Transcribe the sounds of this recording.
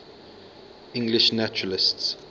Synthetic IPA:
ɪ̃ŋɡlɪʃnat͡ʃʊɹəlɪsts

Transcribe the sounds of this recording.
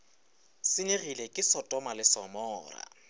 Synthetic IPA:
sɪneɣilekʼɪsɔtʼɔmalɪsɔmɔːra̰

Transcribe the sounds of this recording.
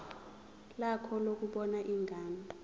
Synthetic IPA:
lakʰɔlok̬uɓɔnaʔiŋɡʱaːmʱa

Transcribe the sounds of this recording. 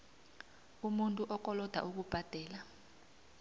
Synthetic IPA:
umuntʼuʔɔk̬ʼɔlɔd̥ʱa̰ʔuk̬ub̥ʱad̥ʱɛːla

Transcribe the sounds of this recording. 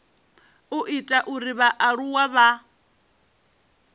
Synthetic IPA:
uʔitʼaʔuɾiβaʔaɺuwaβa

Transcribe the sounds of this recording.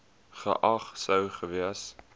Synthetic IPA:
χə̰ʔɐχsəwχəviəs

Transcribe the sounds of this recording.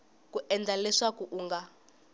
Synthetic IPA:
kuʔɛnd͡zalɛʂakuʔuːŋɡa

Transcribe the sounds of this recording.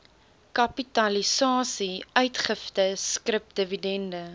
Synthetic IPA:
kɐpitɐlisɑːsiœɥtχəftəskrəp̚dəvidɛndə

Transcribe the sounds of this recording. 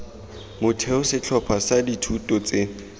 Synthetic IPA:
mʊtʰɛʊsɪt͡ɬʰɔpʰasaditʰutʼɔt͡se

